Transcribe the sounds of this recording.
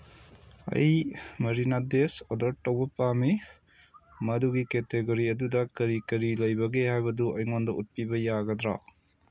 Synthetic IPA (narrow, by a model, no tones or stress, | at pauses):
ɐ̰jmɐɾinadesɔdɐɾ̚tːɐwbɐpami | mɐduɡiketeɡoɾiɐdudɐkɐɾikɐɾilɐjbɐɡehajbɐduʔɐjŋondɐut̚pibɐjaɡɐdɾa̰